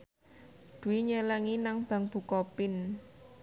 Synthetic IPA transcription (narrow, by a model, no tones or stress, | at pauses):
d̪̥ṳwiɲələŋinaŋb̥ä̤ŋb̥ṳkɔpɪn